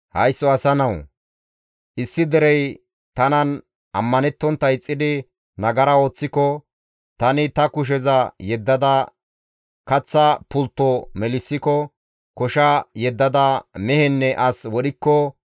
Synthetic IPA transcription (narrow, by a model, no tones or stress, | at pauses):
hɐjsːɔɐsɐnɐw | ʔɪsːɪd̪ɛɾɛj | t̪ɐnɐn | ʔɐmːɐnɛt̪ːɔnt̪ːɐjt͡sʼːɪd̪ɪ | nɐɡɐɾɐo̞ːt͡sːɪkɔ | t̪ɐnɪt̪ɐkʊʃ̬ɛzɐjɛd̪ːɐd̪ɐ | kɐt͡sːɐpʊlt̪ːɔmɛlɪsːɪkɔ | kɔʃɐjɛd̪ːɐd̪ɐmɛhɛnːɛʔɐswɔɗɪkːɔ